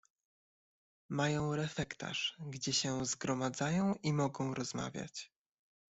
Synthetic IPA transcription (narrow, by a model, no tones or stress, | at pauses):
majɔ̃w̃ɾɛfɛkt̪a̰ʂɡd͡ʑɛɕɛzɡɾɔmad̪zajɔ̃w̃ʔimɔɡɔ̃w̃ɾɔz̥ma̰vʲja̰t͡ɕ